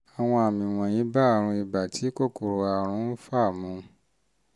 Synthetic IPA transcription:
a˨w̃ɔ̃˧a˨mĩ˨w̃ɔ̃˨j̃ĩ˨˦ba˦a˦˨ɾ̃ũ˧i˨ba˨tʰi˨˦ko˦˨ko˨ɾo˨a˨ɾ̃ũ˧˦fa˦˨mũ˨˧

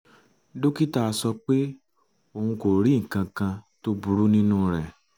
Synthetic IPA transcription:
do˦ki˦ta˦˧sɔ˧k͡pe˦ | o˧˨hũ˧ko˨ɾi˨˦ŋ̩˨kã˧kã˧to˦bu˦ɾu˦nĩ˦nũ˦ɾɛ˨

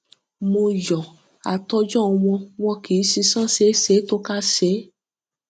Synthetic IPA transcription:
mo˧jɔ˨ | a˨tɔ˧d͡ʒɔ˦˧w̃ɔ̃˧w̃ɔ̃˧ki˨˦si˧˦sã˦se˨˦se˨˦to˦ka˦se˨˦

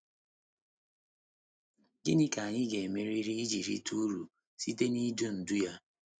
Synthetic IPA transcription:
ɡɪ˦nɪ˦ka˨a˨ɲɪ˦ɡe˨me˦ɾi˦ɾi˦i˦d͡ʒi˨ɾḭ˦tu˦ɾu˨ | si˦t̬e˦ni˦do˦n̩˨du˦ja˦

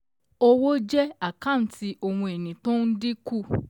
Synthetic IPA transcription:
o˦wo˦d͡ʒɛ˦a˨kã˦˨ti˧ʔo˧wũ˧e˨nĩ˨tõ˦n̩˦di˦ku˦˨

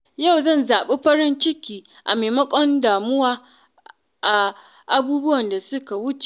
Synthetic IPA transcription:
ja˦˨wzɐ˦˨nzaː˨ɓe˦ɸɐ˦ɾɪ˦nt͡ʃɪ˦kʲiː˨ | ʔa̰˨meː˨mɐ˦kʷʼɔ˦ndaː˨mʊ˦waː˦ | ʔa˨ | ʔa˨buː˦bʊ˦wɐ˨nda˨sʊ˦ka˨wʊ˦t͡ʃe̥˨

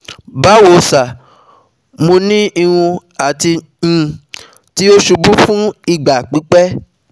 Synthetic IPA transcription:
ba˨˦wo˨sa˨ | mõ˧nĩ˦i˧ɾ̃ũ˧ | a˨ti˧ | ñ̩˧ | ti˦o˦ʃu˧bu˦fũ˦i˦˨ɡ͡ba˨k͡pi˨˦k͡pɛ˦

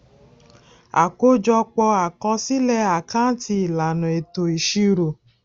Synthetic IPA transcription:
a̰˨ko˦d͡ʒɔ˧k͡pɔ˧a˨kɔ˧si˦lɛ˧a˨kã˦ti˧i˨la˨nɔ̃˨e˨to˨i˨ʃi˧ɾo˨

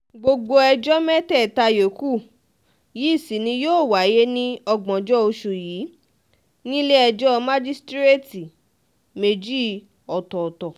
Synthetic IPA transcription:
ɡ͡bo˧ɡ͡bo˧ɛ˧d͡ʒɔ˦mɛ˦tɛ˦˨ta˧jo˨˦ku˦˨ | ji˨˦˨si˨˦nĩ˧joː˦˨wa˨˦je˦nĩ˦ɔ˧ɡ͡bɔ̃˨d͡ʒɔ˦o˧ʃu˨jiː˨˦ | nĩ˦le˦ɛ˧d͡ʒɔ˦mã˦d͡ʒi˦stɾe˦˨ti˨ | me˧d͡ʒi˦ | ɔ˨tɔ˨tɔ˨

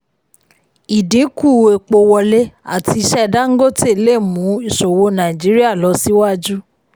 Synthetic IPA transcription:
i˨dĩ˨˦ku˦˨e˨k͡po˧wɔ˧le˦a̰˨ti˧˦ʃɛ˦˨da˦ŋ̩˦ɡo˦˨te˦˨le˦˨mũ˨˦i˦˨ʃo˨wo˧˦nã˨i˨d͡ʒi˨˦ɾi˦a˦˨lɔ˨˧˦si˦wa˦d͡ʒu˦

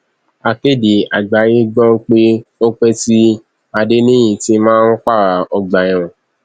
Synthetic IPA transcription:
a˨ke˦˨de˨a˨ɡ͡ba˨˦je˦ɡ͡bɔ̃˦k͡pe˦o˦k͡pɛ˦ti˦ | a˧de˦nĩ˦jĩ˨ti˦mãː˦n̩˦k͡pa˦˨ɾa˨ɔ˧ɡ͡ba˨j̃ã˨

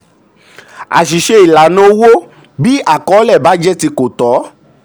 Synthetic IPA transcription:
a̰˨ʃi˨ʃe˧i˨la˨nõ˧˦wo˦ | bi˦ʔa˦˨kɔ˨˦lɛ˦˨ba˨˦d͡ʒɛ˦ti˧ko˨tɔ˨˦

